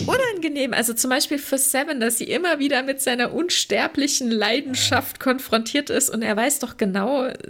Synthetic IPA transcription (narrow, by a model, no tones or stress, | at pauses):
ʔʊnanɡəneːmʔa̰lzot͡sʊmbaɪʃpiːlfyːɐz̥ɛvəndasz̥ḭːʔɪmɐviːdɐmɪtz̥aɪnɐʔʊnʃtɛɐplɪçn̩laɪdn̩ʃaftkʰɔnfʁ̥ɔntʰiːɐtɪstʊ̰nteːɐvaɪsd̥ɔχɡ̥ənaʊ